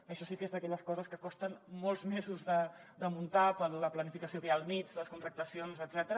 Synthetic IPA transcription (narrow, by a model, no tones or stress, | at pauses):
əʃɔsikezðəkɛʎəskɔzəskəkɔst̪ənmːolˠzmɛzuzðəd̪əmunt̪apələplənifikəsiokəjalˠmid͡zləskunt̪ɾək̚t̪əsionzəd̪z̥ɛt̪əɾə